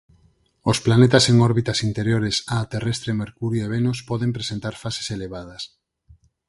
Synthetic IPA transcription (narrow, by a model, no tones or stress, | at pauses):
osplanet̪aseŋɔɾβit̪asint̪eɾjoɾesaːt̪erest̪ɾemeɾkuɾjoeβenospɔðempɾesent̪aɾfase̥seleβað̞ɐs